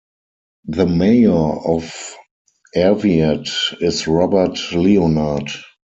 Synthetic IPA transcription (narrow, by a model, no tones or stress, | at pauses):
ðəmeɪə˞ɔf | ʔɛviatɪsɹɔbə˞tlionad